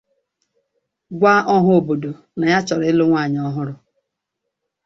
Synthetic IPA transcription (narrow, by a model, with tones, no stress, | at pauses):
ɡʷa˦ʔɔ˦ɦʊ˦o˨bo˨do˨ | na˨ja˦t͡ʃɔ˨ɾɪ˦lo˦ŋʷa˦˨ɲ˨ɔ˦ɦʊ˦ɾʊ˦